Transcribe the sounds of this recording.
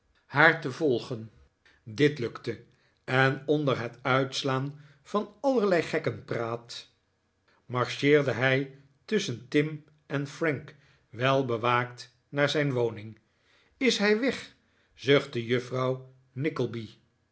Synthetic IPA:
haːɹtəvɔlˠχən | dɪtlɵktə | ɛnɔndəɹɦɛtœɥtslaːn | v̥ɑnɑləɹlɛjχɛkənpraːt | mɑɹʃɪːɹdəɦɛj | tʏsəntɪm | ɛnfrɛŋk | ʋɛlˠbəʋaːkt | naːɹzɛjnʋownɪŋ | ɪsɦɛjʋɛχ | zøχt̚dəjɵfrɑw | nɪkəlˠbi

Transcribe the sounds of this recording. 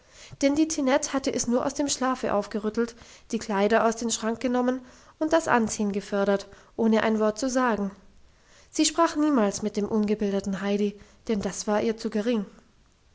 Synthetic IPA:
d̥ɛndiːtʰinɛthatəʔɛsnuːɐʔa̰ʊsd̥eːmʃlaːfəʔa̰ʊfɡ̥əʁʏtl̩td̥iːkʰl̥aɪdɐʔaʊsd̥eːmʃʁ̥aŋk̚ɡ̥ənɔmən | ʔʊnt̚d̥asʔa̰nt͡siːənɡəfœɐɾɐt | ʔoːnəʔa̰ɪnvɔɐt̚t͡suzaːɡŋ̩ | z̥iːʃpʁ̥aːχniːmaːlsmɪt̚d̥eːmʔʊnɡəbɪldətn̩ɦaɪɾid̥ɛnd̥asv̥aːɐʔiːɐt͡suːɡəʁ̞ɪŋ

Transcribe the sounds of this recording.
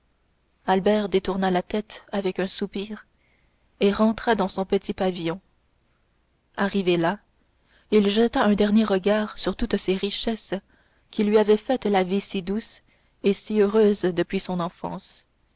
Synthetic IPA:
albɛːʁd̪et̪uʁnalat̪ɛt̪avɛkœ̃supiːʁ | eʁɑ̃t̪χad̪ɑ̃sɔ̃pət̪ʰipavijɔ̃ | aʁivela | ilʒət̪aɛ̃d̪ɛʁnjeʁəɡaːʁsyʁt̪ut̪seʁiʃɛs | kʲilɥiavɛfɛt̪lavisid̪us | esiøʁøːzd̪əpɥisɔ̃nɑ̃fɑ̰̃ːs

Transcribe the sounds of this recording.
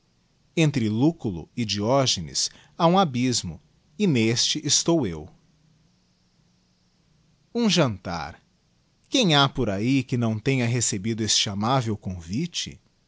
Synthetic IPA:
ẽnt̪ɾɪlukulʊ̰id͡ʒiɔʒenɪ̰s | aũabizmʊ̰ | ɪnest͡ʃɪʔːst̪owew | ũʒɐ̃nt̪a̰ɾ | kẽj̃apoɾaikɪnɐ̃w̃t̪ẽɲɐɦesebid̪ʊest͡ʃɪamavewkõvit͡ʃɪ̰

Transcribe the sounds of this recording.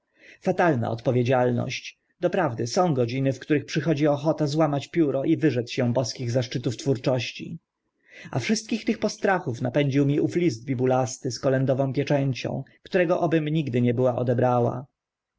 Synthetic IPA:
fat̪alna̰ɔ̰t̪pɔvʲjed͡ʑalnɔ̰ɕt͡ɕ | d̪ɔpɾavd̪ɘsɔ̃w̃ɡɔd͡ʑinɘfkt̪uɾɘxpʂɘxɔd͡ʑiɔxɔt̪azwamat͡ɕpʲjuɾɔʔivɘʐɛt̪ɕɛ̃bɔskʲiɣzaʂt͡ʂɘt̪uft̪fuɾt͡ʂɔɕt͡ɕḭ | a̰fʂɘst̪̚kʲixt̪ɘxpɔst̪ɾaxufnapɛɲd͡ʑiwmʲiʔuflʲizd̪̚bʲibulast̪ɘskɔlɛnd̪ɔvɔ̃w̃pʲjɛt͡ʂɛɲt͡ɕɔ̰̃w̃kt̪uɾɛɡɔʔɔbɘmɲiɡd̪ɘɲɛbɘwaʔɔ̰d̪ɛbɾawa̰

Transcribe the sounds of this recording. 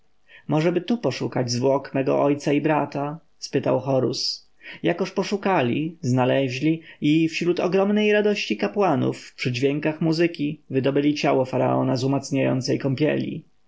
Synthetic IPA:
mɔʐɛbɘt̪upɔʂukad͡ʑzvwɔkmɛɡɔ̰ʔɔjt̪saibɾat̪a | spɘt̪awxɔɾṵs | jakɔʂpɔʂukalʲḭznalɛʑlʲiifɕɾut̪ɔɡɾɔmnɛjɾad̪ɔɕt͡ɕikapwanṵfpʂɘd͡ʑvʲjɛŋkaxmuzɘkʲivɘd̪ɔbɘlʲit͡ɕawɔfaɾa̰ɔ̰nazumat̪sɲajɔ̰nt̪sɛjkɔmpʲjɛ̰lʲḭ

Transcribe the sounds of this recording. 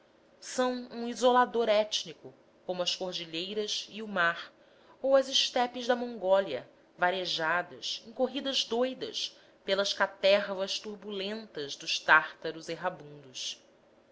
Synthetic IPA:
sɐ̃w̃ũizolad̪oɾɛt͡ʃnikʊ | kõmʊɐskoɾd͡ʒiʎejɾɐsiumaɾ | owɐzɪʃt̪ɛpɪzd̪ɐmõŋɡɔljɐ | vaɾeʒad̪ɐsẽŋ̃koɦid̪ɐzd̪ojd̪ɐ̰s | pelɐskat̪ɛɾvɐʃt̪uɾbulẽnt̪ɐzd̪ʊʃt̪aχt̪ɐɾʊzeɦabũnd̪us

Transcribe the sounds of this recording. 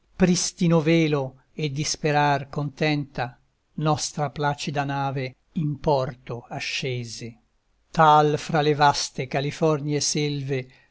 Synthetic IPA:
pɾist̪inoveːlo | ed̪ːispeɾarkont̪ɛnt̪a | nɔst̪ɾaplaːt͡ʃid̪anaːve | impɔrt̪oaʃːeːze | t̪alfɾalevast̪ekalifɔrnjeselve

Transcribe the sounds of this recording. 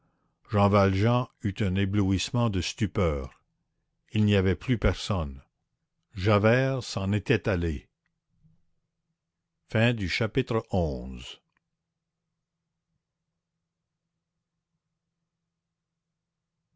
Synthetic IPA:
ʒɑ̃valʒɑ̃yt̪ɛ̃nebluismɑ̃d̪əst̪ypœːʁ | ilniavɛplypɛʁsɔn | ʒavɛːʁsɑ̃net̪ɛt̪ale | fɛ̃d̪yʃapit̪ʁəʔɔ̃ːz

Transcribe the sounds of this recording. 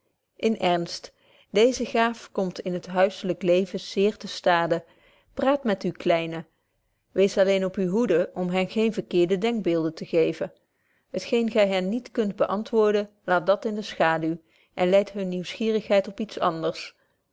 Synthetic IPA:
ʔɪnɛɹnst | dejzəχaːfkɔmtɪnɦətɦœɥsələklejvəz̥ɪːɹtəstaːdə | praːtmɛtyklɛjnə | ʋejsɑlejnɔpyɦudəʔɔmɦɛnɣejnvəɹkɪːɹdədɛŋɡ̚bɪːlˠdəntəχejvən | ɦətχejnɣɛjɦɛnːitkɵnt̚bəʔɑntʋʊːɹdə | laːt̚dɑtɪndəsχaːdyw | ʔɛnlɛjtɦɵnːiwsχiːrəχɦɛjtɔpitsɑ̰ndəɹs

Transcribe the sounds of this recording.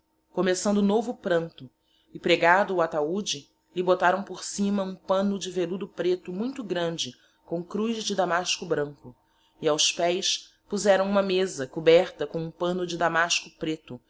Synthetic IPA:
komesɐ̃nd̪ʊʊnovʊpɾɐ̃nt̪ʊ | ɪpɾeɡad̪ʊːat̪aud͡ʒɪ | lɪbot̪aɾɐ̃w̃poɾsĩmɐũpɐ̃nʊd͡ʒɪvelud̪ʊpɾet̪ʊmũj̃t̪ʊɡɾɐ̃nd͡ʒɪ | kõw̃kɾujzd͡ʒɪd̪amaʃkʊbɾɐ̃ŋkʊ | iawspɛjs | puzɛɾɐ̃w̃ũmɐmezɐkubɛɾt̪ɐkõw̃ũpɐ̃nʊd͡ʒɪd̪amaʃkʊpɾet̪ʊ

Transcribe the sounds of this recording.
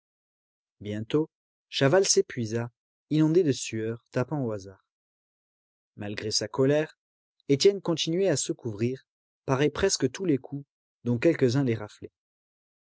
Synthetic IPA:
bjɛ̃t̪o | ʃavalsepɥiza | inɔ̃d̪ed̪əsyœʁt̪apɑ̃oazaːʁ | malɡʁesakɔlɛʁ | et̪jɛnkɔ̃t̪inɥɛasəkuvʁiʁ | paʁɛpχɛskət̪ulekʰu | d̪ɔ̃kʲɛlkəzɛ̃lɛʁafle

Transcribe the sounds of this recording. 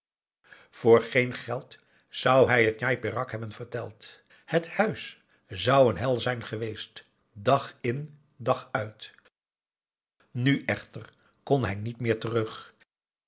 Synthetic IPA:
v̥ʊːɹχejnχɛlˠt | z̥ʌwɦɛjɦətnajpɪrɑkɦɛbənv̥əɹtɛlˠt | həthœɥs | zʌwənɦɛlˠzɛjnχəʋejst | dɑχɪn | dɑχœɥt | nyʔɛχtər | kɔnɦɛjnitmɪːɹtərɵχ

